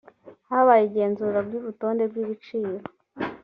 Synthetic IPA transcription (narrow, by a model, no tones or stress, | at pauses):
haβajiɟe̞ːnzuːɾabjuːɾuto̞ːnde̞bɡiːβit͡ʃiːɾo